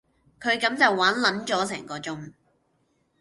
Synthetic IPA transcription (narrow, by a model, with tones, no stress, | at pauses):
kʰɵ˨˧ɥkɐ˨˥mt͡sɐ˨wːaː˨˥nlɐ˨˥nt͡ʃɔː˨˥s̬ɛː˨˩ŋkɔː˨˧t͡sʊ˥ŋ